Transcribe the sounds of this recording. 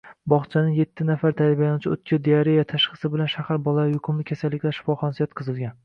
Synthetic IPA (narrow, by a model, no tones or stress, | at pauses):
bɒχt͡ʃʰanɪŋje̞t̪ʰːɪnafaɾt̪ʰajabajanʊt͡ʃʰɪot̪̚kʲʰɪd̪eaɾejat̪ʰaʃχɨ̥sɪbɪlanʃahaɾbɒlˠaajʊqʰʊmlɪkʲʰasalːɪkʲlaʃɪ̥fɒχɒnsijɒt̪̚qʰɨzɨlˠɡʲan